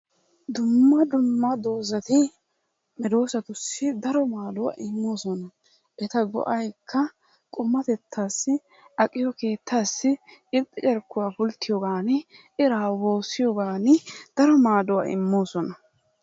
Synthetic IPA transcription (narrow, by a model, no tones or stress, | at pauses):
d̪ʊmːɐd̪ʊmːɐd̪o̞ːzɐt̪ɪ | mɛd̪o̞ːsɐt̪ʊsːɪd̪ɐɾɔmaːd̪ʊwa̰ʔɪmːo̞ːsɔnɐ | ʔɛt̪ɐɡɔ̰ʔɐjkʰːɐ | kʼʊmːɐt̪ɛt̪ʰːaːsːɪ | ɐkʼːɪjɔkeːt̪ʰːaːsːɪt͡ʃɪpʼːɪt͡ʃʼɛɾkːʊwafʊlt̪ːɪjɔɡaːnɪʔɪɾaːwo̞ːsːɪjɔɡaːnɪd̪̥ɐɾɔmaːd̪ʊwa̰ʔɪ̰mːo̞ːsɔnɐ